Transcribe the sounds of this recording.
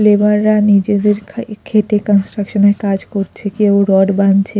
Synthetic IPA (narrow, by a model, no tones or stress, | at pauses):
lebaɾːanid͡ʑed̪eɾʰkʰeʈekɔnsʈɾakʃoneɾkad͡ʑkoɾt͡ɕʰekewɾɔɖbant͡ɕʰe